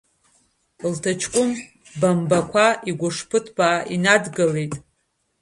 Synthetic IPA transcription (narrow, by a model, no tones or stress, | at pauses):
ltʰat͡ʃʰkʷʼʊm | bambakʷʰaiɡʷʊʂpʰɨtʰbaːʔinadɡɨle̞jtʼ